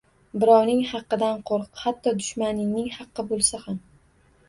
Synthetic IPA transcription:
bɪɾɒwnɪŋhɑqːɨd̪anqʰoɾqhat̪ʰːɒd̪ʊʃmanɪnɪŋhɑqːɨbolˠsaham

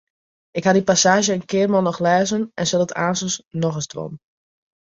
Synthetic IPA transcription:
ɪkhadipasaːʒjəənkɪərmɔlˠnɔxlɛːzənʔɛnsɛlˠəta̰ːnsəsnɔxəsdʋɔ̰n

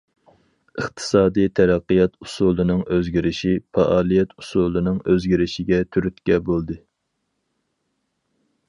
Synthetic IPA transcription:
ɨχt̪ʰɨ̥sɑːd̪ɨjt̪ʰɛɾæqːɨjɑt̪ʰusulˠɨnɨŋøzɡʲiɾɪʃipɑʔɑːlˠijɛt̪u̥sulˠɨnɨŋøzɡʲiɾɪʃɪɡʲɛt̪ʰyɾyt̪kʲɛbolˠd̪ɨ

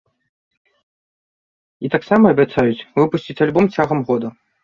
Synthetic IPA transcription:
it̪aksamɐɐbʲat̪sajut͡sʲvɨpusʲt͡sʲit͡sʲalʲbɔmt͡sʲaɣɐmɣɔd̪ɐ

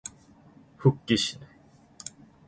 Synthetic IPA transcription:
hɯkːiɕine

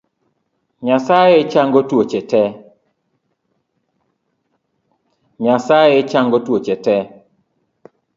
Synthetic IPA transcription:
ɲasajet͡ʃaŋɡɔtwot͡ʃɛtɛ | ɲasajet͡ʃaŋɡɔtwot͡ʃɛtɛ

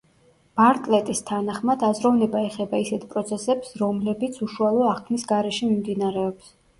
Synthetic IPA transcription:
b̥aɾt̪ʼlɛt̪ʼist̪ʰanaχmad̪azɾɔvnɛbaɛχɛbaisɛt̪ʰpʼɾɔt̪sʰɛsɛpsɾɔmlɛbit̪sʰuʃualˠɔaχkʰmisɡaɾɛʃimimd̪inaɾɛɔps

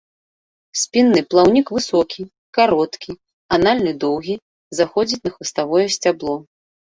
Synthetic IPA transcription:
sʲpʲinːɨplˠawnʲikvɨsɔkʲi | kaɾɔt̪kʲi | analʲnɨd̪ɔwɣʲi | zaxɔd͡zʲit͡sʲnɐxvɨst̪avɔjɛsʲt͡sʲablˠɔ

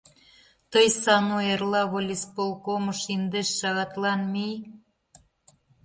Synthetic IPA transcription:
t̪ɤjsɑnuerlɑβolʲispolˠkomɤ̆ʃind̪eʃːɑɣɑt̪lɑnmij

